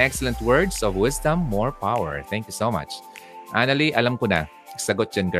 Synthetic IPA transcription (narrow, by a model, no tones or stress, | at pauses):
ʔɛksɛlɛ̃nt̪wɛɹd̪sɔvwɪsd̪ɐ̃mːɔɹpawɛ̰ɹt̪ɛ̃ŋkjusoma̰t͡ʃ | ʔanɐliʔɐlɐmkʊna̰ | sɐɡot̪̚d͡ʒ̥ɐnɡɐ